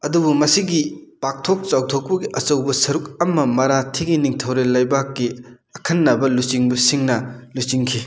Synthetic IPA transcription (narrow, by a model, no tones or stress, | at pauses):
ɐdubumɐsiɡipak̚tʰok̚t͡ʃawtʰok̚pɐɡiʔɐt͡ʃɐwbɐsɐɾuk̚ɐmɐmɐɾatʰiɡiniŋtʰɐwɾelɐjbakːi | ɐkʰɐnːɐbɐlut͡ʃiŋbɐsiŋnɐlut͡ʃiŋkʰi